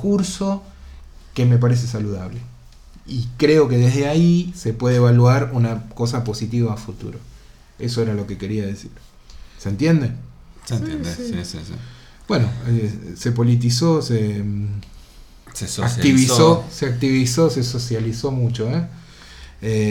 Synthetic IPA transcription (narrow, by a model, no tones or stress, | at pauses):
kuɾso̞ | ke̞me̞p̬aɾes̬e̞saluðaβle̞ | ikɾe̞o̞ke̞ðeɦðeaise̞pwe̞ðeeβalwaɾunako̞s̬apo̞sit̪iβaːfut̪ṵɾo | e̞so̞eɾalo̞ke̞ke̞ɾiaðe̞sḭɾ | sent̪je̞nd̪eseneesḭ | b̥we̞noese̞po̞lit̪̬isose | sakt̪iβioseak̚t̪iβiso̞se̞so̞sjaliso̞mut͡ʃo̞e | e